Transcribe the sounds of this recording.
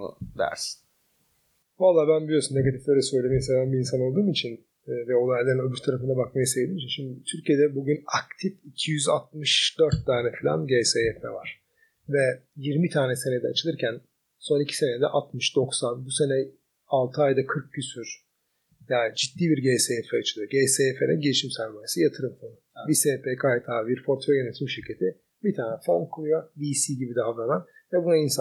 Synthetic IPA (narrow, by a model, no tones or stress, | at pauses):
ṵd̪æ̰ɾs | valˠːaːbænbilʲijo̞sunːeɡat̪ʰiflʲeɾɛsø̞jlʲeminsed̪ænbiːnsano̞lˠd̪uːmit͡ʃʰinː | vɛolˠajalʲːeɾinøbyɾt̪ʰaɾafɯnd̪abakmajɯsejlʲimit͡ʃinʃimd̪it̪ʰyɾcijed̪ɛbuɟynak̚t̪ʰificʰijyza̰t̪̚mɯʃd̪̥øɾt̪ːaːnɛfilʲa̰nɟejsejɛt̪mɛ̰va̰ɾ̥ | vɛjiɾmit̪ʰaːnɛse̞ned̪ɛat͡ʃʰɯlˠɯɾcʰæn | so̞nicʰi̥se̞nɛd̪ɛ̰ʔat̪mɯʃd̪o̞ksanbuse̞nɛ | alˠt̪ʰɯajd̪akʰɯɾk̚ɟysyɾ̥ | jaːd͡ʒid̪ːiːbiɾɟeːsefɛat͡ʃʰɯlˠɯjoɟeːseɛfelɛ̰nɟeliʃimsæɾmajsɯjat̪ʰɯɾɯmfonuviseːpʰeːkʰajt̪ʰaːviɾfo̞ɾt̪føjenet̪ʰimʃiɾcʰet̪ʰi | bit̪ʰaːnɛfo̞ɾmkʰulˠujoviːsiːɟibid̪avɾanan | vɛbunainsa